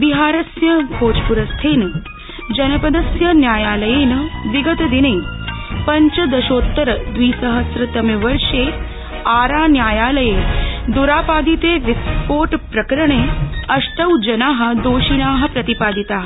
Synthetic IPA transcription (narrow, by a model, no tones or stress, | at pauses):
biɦaːɾɐsjɐɡʱoːt͡ʃpuɾɐst̪ʰeːnɐ | d͡ʒɐnɐpɐd̪ɐsjɐnjaːjaːlɐjeːnɐʋiɡɐt̪ɐd̪ineːpɐɲt͡ʃɐd̪ɐʃoːt̪ːɐɾɐd̪ʋiːsɐɦɐsɾɐt̪ɐmjɐʋɐɾʂeː | aːɾaːnjaːjaːlɐjeːd̪uɾaːpaːd̪it̪eːʋispoːʈpɾɐkɾɐɳeːɐʂʈɐwd͡ʒɐnaːɦɐ̆d̪oːʃinaːɦɐ̆pɾɐt̪ipaːd̪it̪aːɦɐ